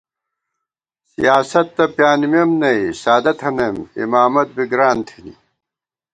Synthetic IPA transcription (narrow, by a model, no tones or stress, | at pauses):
sḭjaːsɐt̪ːɐpjaːnimjɐmnɐisaːd̪ɐt̪ʰɐnɐmḭmaːmɐt̪̚biɡɾaːnt̪ʰinḭ